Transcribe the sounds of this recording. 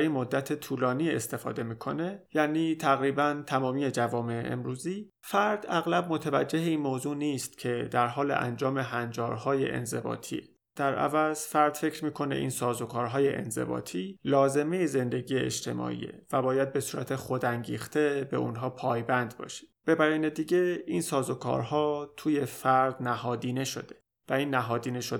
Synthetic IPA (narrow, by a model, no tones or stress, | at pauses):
ɾinmod̪ːæt̪ʰet̪ʰuːlɒːniːe̞̰st̪e̞fɒ̰ːd̪e̞miːkʰo̞ne̞jæniːt̪ʰæɣɾiːbænt̪ʰæmɒːmiːje̞d͡ʒævɒːme̞ḛʔḛmɾuːziː | fæɾd̪æɣlæb̚mo̞t̪ʰævæd͡ʒːe̞ɦeiːnmoːzuːniːst̪cʰe̞d̪æɾɦɒːlḛʔæ̰nd͡ʒɒːme̞ɦænd͡ʒɒːɾhɒːjḛʔḛnze̞̰bɒ̰ːt̪ʰḭe | d̪̥æɾʔæ̰væzfæɾd̪̥fe̞cʰɾmiːkʰo̞nḛʔiːnsɒːzo̞kʰɒːɾɦɒːje̞ʔḛnze̞̰bɒ̰ːt̪ʰiːlɒːze̞mejeze̞nd̪e̞ɟiːjeḛt͡ʃt̪ʰe̞̰mɒ̰ːʔḭːḛvæbɒːjæd̪̚be̞suːɾæ̰t̪ʰe̞xo̞d̪æŋɟiːxt̪ʰebe̞̰unɦɒːpʰɒːjbænd̪bɒ̰ːʃe̥b̥e̞bæɾiːned̪iːɟe̞insɒːzokʰɒ̰ːɾɦɒːt̪ʰuːje̞fæɾd̪̚næhɒːd̪iːne̞ʃo̞d̪e̥ | væiːnːæɦɒːd̪iːneʃod̪